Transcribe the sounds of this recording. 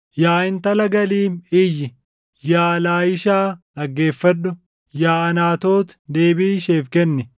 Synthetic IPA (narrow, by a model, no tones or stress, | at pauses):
jaːɪnt̪ɐlɐɡɐliːmɪjːɪ | jaːlaːɪʃaːᶑɐɡːe̞ːfːɐɗʊ | jaːɐnaːt̪o̞ːt̪d̪eːbiːʃe̞ːfkɛnːɪ